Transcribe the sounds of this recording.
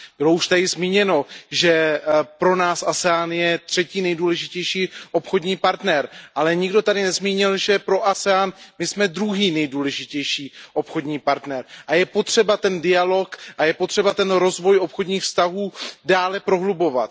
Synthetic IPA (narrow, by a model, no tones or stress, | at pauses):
b̥ɪlouʃt̪adɪzmiːɲɛno̞ʒɛpɾo̞naːsʔasɛaːnjɛt̪r̝̥ɛciːnɛjduːlɛʒɪcɛjʃiːʔo̞pxo̞dɲiːpaɾt̪nɛɾʔalɛɲɪɡdo̞t̪adɪnɛzmiːɲɪlʒɛpɾoʔasɛaːnmɪsmɛd̪ɾuɦiːnɛjduːlɛʒɪcɛjʃiːʔo̞pxo̞dɲiːpaɾt̪nɛɾʔajɛpo̞t̪r̝̥ɛbat̪ɛndɪalo̞kʔajɛpot̪r̥ɛbat̪ɛnɾo̞zvo̞jʔo̞pxodɲiːxfst̪aɦuːdaːlɛpɾo̞ɦlubo̞va̰t̪̚